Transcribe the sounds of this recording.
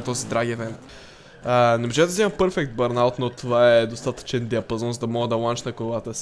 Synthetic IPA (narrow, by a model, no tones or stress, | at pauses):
t̪ɔzid̪ɾaɡiɛvɛnt̪ | ənɛmoʒɛd̪ɐziməpəɾfɛkt̪̚bəɾnalˠt̪not̪ovaɛd̪ost̪at̪ə̥t͡ʃɛnd̪iɐpɐzɔnzɐd̪ɐmɔɡəd̪ɐlˠant͡ʃnɐkovat̪əs